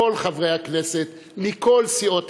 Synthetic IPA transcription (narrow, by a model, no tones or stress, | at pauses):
o̞lχavʁehakne̞set̪ | mikʰo̞lsio̞t̪